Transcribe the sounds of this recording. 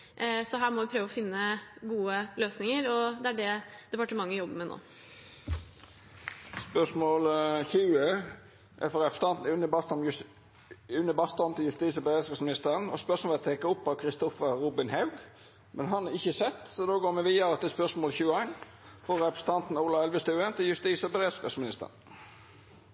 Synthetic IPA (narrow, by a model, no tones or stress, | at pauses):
sɔɦæːɾmɔʋɪpʰɾøːʋɔfɪnːəɡuːəløːsnɪŋəɾɔd̪ɛæɖɛd̪̥ɛpɑʈəmɑŋːəjɔbːəmɛno̰ː | spœʂmoːlçʉːə | ʔɛfɔɾɛpɾəsət̪ɑnt̪n̩ʉnːəbɑst̪ɔm | ʉnːəbɑst̪ɔmt̪ʰɪljʉst̪iːsəbɾeːd̪sɑsmɪnɪst̪əɾənɔspœʁsmoːlət̪ʰeːkəʊpːɑʋkʰɾɪst̪ɔfəɾɾuːbɪnhɑʉɡ | mʔɛnɦɑnɑʁɪçːəsɛt̪ːsɔd̪oːɡoːɾmɛʋiːɑɾət̪ɪspœʁsmoːlçʉːəæɪn | fɔɾɛpɾəsət̪ʰɑnt̪n̩uːlɑɛlʋəst̪ʉːənt̪ʰɪljʉst̪iːsɔbəɾeːd̪skɑsmɪnɪst̪ə̰ʁən